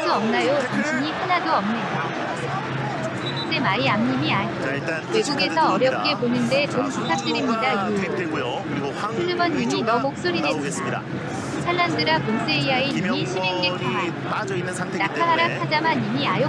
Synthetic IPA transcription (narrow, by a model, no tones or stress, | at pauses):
doʌmnajoimt͡ɕʰiɲihanadoʌmnenda | t͈e̞maiamɲimiaɲia | awe̞ɡuɡe̞sʰʌːɾjʌk͈e̞ponɯnde̞toŋpitʰak̚t͈ɯɾimɲidai | sʰɯɾɯbʌnːimijʌmok̚s͈oɾines͈ɯa | tʰanːandɯɾakons͈eijaenimiɕʰimeŋk͈et͈ʰa | nakʰaɦaɾakʰad͡ʑamanimiajo